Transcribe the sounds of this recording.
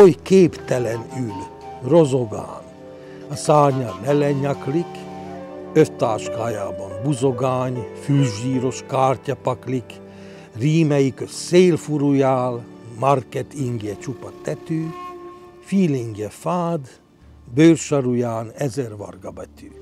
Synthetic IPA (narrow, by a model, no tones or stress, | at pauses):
ojkeːpt̪ɛlɛnyl | ro̞zo̞ɡa̰ːn | ɒsaːrɲɑmɛlɛɲːɒklik | øft̪aːʃkaːjaːbɒmbuzo̞ɡaːɲfylʒiːɾo̞ʃkaːrcɒpɒklik | riːmɛjikøsseːlfuɾujaːlmɑrkɛt̪ʰiŋɡɛt͡ʃupɑt̪ɛt̪yː | fiːliŋɡɛfaːd̪ | bøːrʃɑɾujaːnɛzɛrvɒ̰rɡɑbɛt̪yː